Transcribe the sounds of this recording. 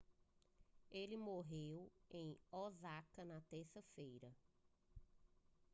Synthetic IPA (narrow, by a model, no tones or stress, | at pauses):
elɪmoɦewẽj̃ɔzakɐnɐt̪eɾsɐfejɾɐ